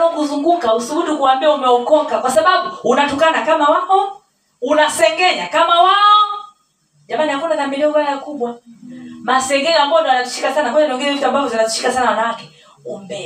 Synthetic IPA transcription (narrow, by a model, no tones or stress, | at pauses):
ɔŋɡuzuŋɡuŋkausuɓuɗikuambiaumɛɔkɔŋkakwasaɓaɓuunatukanakamawaɔ | unasɛŋɡɛɲakamawaɔ | ʄamanihakɔndaθaminiuvalakuɓwa | masɛŋɡɛɲambaɔndɔanaziʃi̥kasanakɔɲanɔŋɡɛɛvituambavɔzinaziʃi̥kasanawanawakɛ̥ | umbɛ